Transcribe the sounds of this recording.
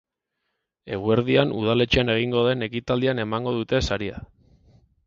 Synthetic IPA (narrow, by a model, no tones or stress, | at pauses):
e̞ɣ̞ue̞ɾðianuð̞ale̞t͡ʃeane̞ɣ̞iŋɡo̞ðe̞ne̞kit̪ald̪iane̞maŋɡo̞ð̞ut̪e̞saɾia̰